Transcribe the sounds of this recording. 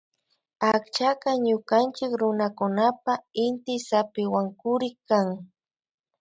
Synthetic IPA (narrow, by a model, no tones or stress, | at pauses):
akt͡ʃakaɲʊkant͡ʃɪkɾʊnakʊnapaɪnt̪ɪsapɪwaŋkʊɾɪkaŋ